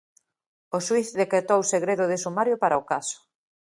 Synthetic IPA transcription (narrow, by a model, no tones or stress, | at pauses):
oʃwiθðekɾet̪owseɣɾeðʊð̞ɪsumaɾjopaɾaokasʊ̥